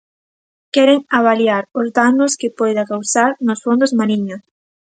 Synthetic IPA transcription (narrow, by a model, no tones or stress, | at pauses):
kɛɾeŋaβ̞aljaɾʊzdanʊskɪpɔjðakawsaɾnosfond̪ʊzmaɾiɲos